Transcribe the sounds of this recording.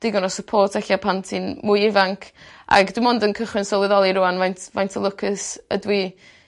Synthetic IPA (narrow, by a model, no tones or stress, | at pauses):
d̥ɪɡɔnɔsəpʰoːrtʰɛɬjapʰantʰinmʊjɪvaŋkʰa̰ɡdwɪmɔndənkʰəχwɪnsɔlˠɪðɔlˠiɾʊanvajntʰvajntʰəlˠʊkʰəsə̰dwi